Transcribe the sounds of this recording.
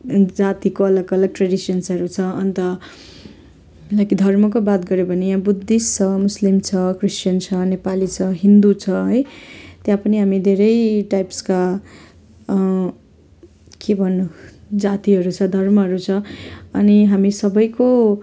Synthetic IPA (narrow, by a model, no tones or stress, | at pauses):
d͡zat̪ikoʌlʌkʌlʌɡ̚ʈreɽisʌnsʌɾut͡sʰʌʌnt̪ʌ | lʌkid̪ʱʌrmʌk̬obat̪ɡʌɾjobʱʌnejãbud̪ːist͡sʰʌmuslimt͡sʰʌkrist͡ʃʌnt͡sʰʌnepalit͡sʰʌɦind̪ut͡sʰʌɦʌjt̪jãpʌniɦamid̪ʱeɾʌjʈajpska | kebʱʌnːud͡zat̪iɦʌɾut͡sʰʌd̪ʱʌrmʌɦʌɾut͡sʰʌʌ̰niɦamisʌbʌjko